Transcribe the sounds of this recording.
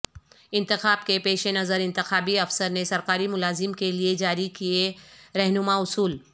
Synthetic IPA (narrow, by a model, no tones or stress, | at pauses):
ɪ̃nt̪ɪxaːb̚kepeːʃenɐzəɾɪ̃nt̪ɪxaːbiɐfsəɾnesɐɾqaːɾimʊlaːzɪmkelied͡ʒaːɾikieɾɛɦnʊmaʊsuːl